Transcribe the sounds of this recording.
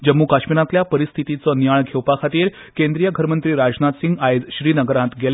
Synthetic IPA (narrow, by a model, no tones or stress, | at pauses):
d͡ʑəmːukaɕmiɾãt̪ljapəɾist̪ʰit̪it͡sənjaɭɡʱewpakʰat̪iːɾ | kẽnd̪ɾijəɡʱəɾmənt̪ɾiːɾad͡znat̪siŋɡajd͡zɕɾiːnəɡəɾãt̪ɡʱel